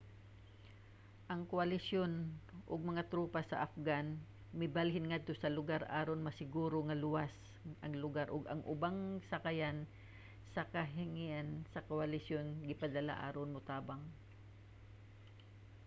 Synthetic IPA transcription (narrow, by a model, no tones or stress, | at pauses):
ʔɐŋkoɐlɪsjo̞nʔʊɡ̚mɐŋat̪ɾuːpasɐ̰ʔafɡan | mɪbalɦɪnŋad̪̚t̪osɐlʊɡaɾʔaːɾonmɐsɪɡuːɾoŋɐlʊwas | ʔɐŋlʊɡaɾʔʊɡɐ̰ŋʔʊbaŋsɐkajan | sɐkɐɦɪŋiʔansɐkoʔalɪsjonɡɪpɐd̪ɐla̰ʔa̰ːɾonmʊt̪aːbaŋ